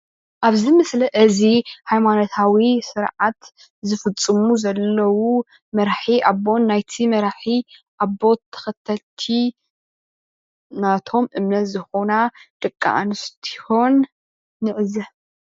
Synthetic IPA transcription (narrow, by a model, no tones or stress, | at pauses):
ʔaβzimɨslɐʔɨzihajmanot̪ʰawisɨɾʕat̪ | zɨfɨt͡sʼːɨmuzɐlːɐwu | mɐɾħiʔabo̞nːajt̪ʰimɐɾħiʔaβo̞t̪ʰːɐ̥xɐt̪ʰːɐlt̪ʰi | nat̪ʰo̞mʔɨmnɐt̪zɨxonad̪̥ɨkʼːa̰ʔnɨst̪ʰi̥ho̞nː | ɨʕɨzɐ